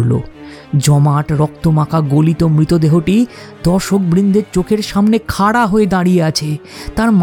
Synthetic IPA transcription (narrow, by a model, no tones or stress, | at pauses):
lo̰ | d͡ʑɔmaʈɾɔk̚t̪omakaɡolit̪omɾit̪od̪eɦoʈi | d̪ɔʃok̚bɾind̪ʱeɾt͡ɕokʰeɾʃamnekʰaɽaɦoed̪aɽijeat͡ɕʰet̪aɾm